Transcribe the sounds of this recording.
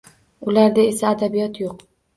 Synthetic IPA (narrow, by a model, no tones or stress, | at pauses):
ʊlaɾd̪aesaːd̪abijɒt̪joq̚